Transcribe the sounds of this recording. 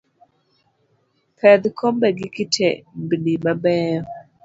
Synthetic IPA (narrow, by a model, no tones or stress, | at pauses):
pʰɛd̪kʰɔmbɛɡikitʰɛ̰mbinimabɛːɔ